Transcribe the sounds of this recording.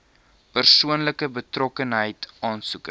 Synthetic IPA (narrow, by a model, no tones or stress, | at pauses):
pərsuənləkəbətrɔkənɦəjtɑːnsuk